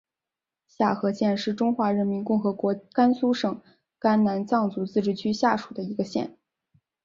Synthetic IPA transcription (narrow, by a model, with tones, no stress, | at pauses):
ɕja˥˩xɤ˧˥ɕjɛ˥˧nʂɻ̩˥˩ʈ͡ʂʊ˥ŋxwa˧˥ɻə˧˥nmi˧˥nkʊ˥˩ŋxɤ˧˥kwɔ˧˥ka˥nsu˥ʂɤ˨˩ŋ | ka˥nna˧˥nt͡sɑ˥˩ŋt͡su˧˥t͡sɹ̩˥˧ʈ͡ʂɻ̩˥˩t͡ɕʰy˥ɕja˥˩ʂu˨˩d̪ə˦i˧˥ɡə˧ɕjɛ̰˥˩n